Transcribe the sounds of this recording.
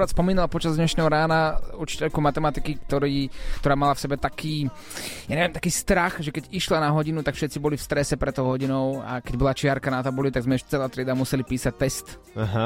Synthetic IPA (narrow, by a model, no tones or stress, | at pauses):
ɾaːt̪spɔmiːnalpɔt͡ʃazd̪ɲɛʃnɛːɦɔɾaːnauɾt͡ʃi̥cɛʎkumat̪ɛmat̪ikikt̪ɔɾiːkt̪ɔɾaːmalafsɛbɛt̪akʰiː | jaːɲɛʋjɛmt̪ḁkiːst̪ɾaxʒɛkɛɟiʃlanaɦɔɟinut̪akfʃɛt̪t͡sibɔlifst̪ɾɛsɛpɾɛt̪ːɔʊɦɔɟinɔʊa̰kɛɟbɔlat͡ʃɪaɾkanat̪abulit̪aɡzmɛɛʃt͡sɛlaːt̪ɾɪɛd̪amusɛlipiːsac̚t̪ɛst̪ | aɦ